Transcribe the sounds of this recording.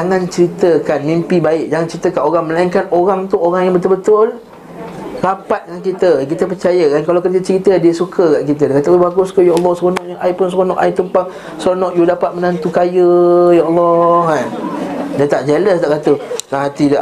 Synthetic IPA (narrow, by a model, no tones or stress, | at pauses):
d͡ʒaŋãnt͡ʃəɾit̪əkanmĩmpibaɪk̚d͡ʒaŋant͡ʃəɾit̪əkanoɾaŋmə̃laiŋkanoɾaŋt̪uʔoɾaŋjaŋbət̪ʊlbət̪ʊl | rapat̪̚kankit̪əkit̪əp̬ərt͡ʃajəkankalawkərd͡ʒət͡ʃəɾit̪ədiəsukʰəɡaʔkit̪ədakat̪abaɡʊskəjaʔɑlːɔhsonɔʔjaʔajpʊnsɾonɔʔajt̪umpa | sonɔʔjudapat̪̚mənant̪ukajəjaɑlːɔhkandat̪aʔd͡ʒɛləst̪aʔkat̪uaɦat̪ida